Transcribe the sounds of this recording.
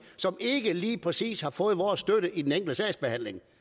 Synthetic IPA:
sɒ̽me̝ɡ̥əliːpʰʁɛsḭːshɑ̈fɔ̽ːð̞̩ˠʋɒːsːd̥øɾəʔid̥eneŋ̰ɡ̥l̩əsɛɪsb̥e̝hæn̰le̝ŋ

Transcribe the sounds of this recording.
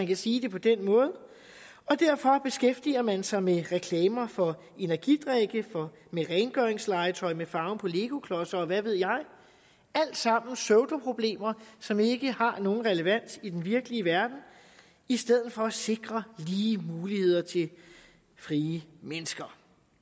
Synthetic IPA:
ænkʰæsiːd̥e̝pʰɒ̽d̥enmɔ̽ːð̞ˠə | ɒ̽d̥æɐ̰fɒ̽b̥e̝sɡ̥efd̥iɐmænsɑ̈ɪmeʁɛkʰlɛːmɐfɒ̽ | e̝næɐɡ̥id̥ʁeɡ̥əfɒ | meʁɛɪnɡ̥œɐeŋslɑ̈ɪt͡sʰɒ̽ɪmefɑ̈ʊn̩pʰɒ̽le̝ːɡ̥o̝kʰlɒ̽sɐ̽ːʋæʋe̝ð̞̰ˠjɑ̈ɪ | æl̰d̥sɑ̈m̰n̩søʊd̥opʰʁo̝b̥le̝̰ːmɐsɒ̽me̝ɡ̥əhɑ̈no̝ːn̩ʁɛləʋæn̰sid̥enʋiɐɡ̥əliəʋæɐd̥n̩ | isd̥eð̞̰̩ˠfɒ̽æse̝ɡ̥ʁɐliːmuːlihe̝ð̰ˠɐt͡sʰe̝ | fʁiːəmenəsɡ̥ɐ

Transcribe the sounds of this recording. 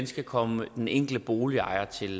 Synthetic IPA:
nsɡ̥ækʰɒ̽məd̥eneŋ̰ɡ̥l̩əb̥o̝ːliɑ̈ɪ̰ɐt͡sʰe̝l

